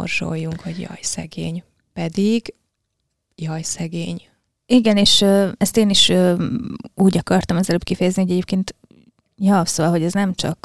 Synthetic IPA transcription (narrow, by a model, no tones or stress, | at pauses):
o̰rʒo̰jːuŋkhoɟjɒ̰jsɛ̰ɡeːɲ | pɛd̪iɡ | jɒjsɛɡeːɲ | iɡɛneːʃøːɛst̪eːniʃøː | uːɟɒkɒrt̪ɒmɛzɛløːpkifɛjɛznihoɟɛɟeːp̚keːnt̪ | jɒvsolɦoɟɛznɛmt͡ʃɒ̰k